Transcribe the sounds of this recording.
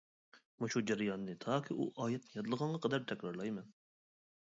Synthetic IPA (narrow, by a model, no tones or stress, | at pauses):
muʃud͡ʒɛɾjɑnːɨt̪ʰɑːkʲʰiʔṵʔɑːjɛt̪nɪjɑd̪ɨlˠəʁɑɴʁɑqʰəd̪ɛɾt̪ʰɛkʲɾɑɾlˠɑjmɛn